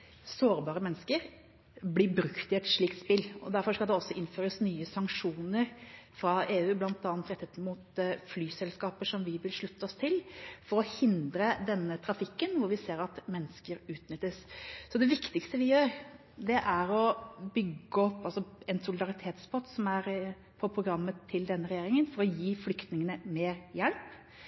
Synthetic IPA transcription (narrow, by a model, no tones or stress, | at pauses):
soːɾbɑːɾəmɛnːəskəɾ | blɪbɾʉkt̪ɪɛt̪ʂɭiːkt̪spɪlːɔ̰d̪æɾfɔʂkɑld̪ɛɔsːɔʔɪnføːɾəsnyːəsɑŋkʂuːnəɾfɾɑeːʉːblɑnt̪ɑːɑnt̪ɾɛt̪ʰːət̪mut̪flyːsɛlskɑːpəʂɔmʋɪʋɪlʂɭʉt̪ʰːəɔst̪ʰɪlfɔɾɔhɪnd̪ɾəd̪ɛnːət̪ʰɾɑfɪkːənʋʊɾʋɪseːɾɑt̪mɛnːəskəɾʉːt̪nʏt̪ːəssɔd̪ɛʋɪkt̪ɪkst̪əʋɪjøːɾ | d̪ɛʔæɾɔbʏɡːəɔpːɑlsɔɛnsʊlɪd̪ɑɾɪt̪ʰeːt̪sbɔt̪ːsɔmæɾ | pʰɔpʰɾʊɡɾɑmːət̪ʰːɪld̪ɛnːəɾɛjeːɾɪŋənfɔɾɔjiːflʏkt̪nɪŋənəmeːɾjɛlp